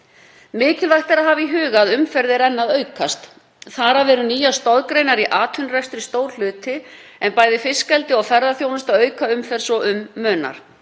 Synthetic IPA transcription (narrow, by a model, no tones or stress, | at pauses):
mɪːcɪlvajht̪aɾaɦaviɦʏːɣaːðʏmfɛɾðɪɾɛnːaðœːɥkast̪ | θaɾavɛɾʏniːjast̪ɔðkɾejnaɾiʔaːt̪ʰʏnrɛst̪ɾɪst̪oːwɾ̥l̥ʏːt̪ɪɛnpaːjðɪfɪskɛlt̪ɪɔɣfɛɾðaθjownɪst̪aðœːɥkaʏmfɛɾ̥sɔʔʏmːœːna̰ɾ̥